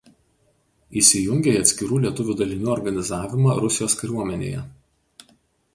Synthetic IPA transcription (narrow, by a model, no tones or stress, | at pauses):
iˑsʲɪjʊŋʲɡʲeɪɐt̪ʲsʲkʲɪɾuːlʲiɛt̪ʊʋʲuːd̪ɐlʲɪnʲuːɔɾɡɐnʲɪzɑːʋʲɪmɑːɾʊsʲɪjoːskɐɪɾʲuɔmʲɛnʲḛːjɛ̰